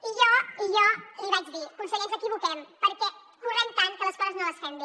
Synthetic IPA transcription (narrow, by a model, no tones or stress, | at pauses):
iʒɔiʒɔiβat͡ʃðiəkunsəɣɛsəkiβukɛmpəɾkɛ | kurɛmt̪ankələskɔzəznoləsfɛmbi